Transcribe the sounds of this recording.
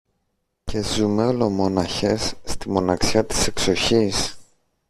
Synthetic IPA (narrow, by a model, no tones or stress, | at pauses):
ce̞zume̞o̞lo̞mo̞nɐçe̞sːt̪imo̞nɐksçɐt̪i̥se̞kso̞çis